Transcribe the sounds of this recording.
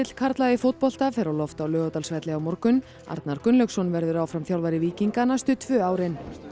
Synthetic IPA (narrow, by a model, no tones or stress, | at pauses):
ɪt̪l̥kʰaɾt̪laðɪfowt̪̚pɔl̥t̪afɛɾawlɔft̪awlœːɣat̪alsvɛt̪lɪawmɔɾkʏn | a̰ɾt̪naɾkʏnlœksɔnvɛɾðʏɾaːwfɾamθjawlvaɾɪviːciŋkanast̪ʏt̪ʰvœːaːwɾɪn